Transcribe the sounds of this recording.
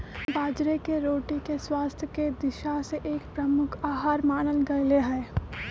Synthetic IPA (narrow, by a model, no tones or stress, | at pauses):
baːd͡ʒɾekeɾoːʈikeswaːst̪ʰjəked̪ɪʃaseʔeːkpɾɐmʊkʰaːɦaːɾmaːnənɡɐɾleɦɛː